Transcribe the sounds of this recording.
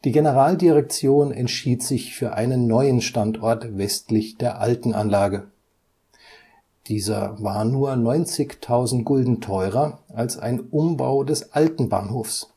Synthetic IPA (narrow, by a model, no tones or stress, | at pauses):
d̥iːɡenəʁaːldiʁɛk̚t͡sjoːnɛntʃiːtz̥ɪçfyːɐʔaɪnənːɔʏənʃtantɔɐtvɛstlɪçd̥eːɐʔaltn̩ʔanlaːɡə | d̥iːzɐ̰vaːɐnuːɐnɔʏnt͡sɪçtʰaʊzn̩tɡ̥ʊldn̩tʰɔʏʁɐalsa̰ɪnʔʊmba̰ʊdɛsʔaltn̩ba̰ːnhoːfs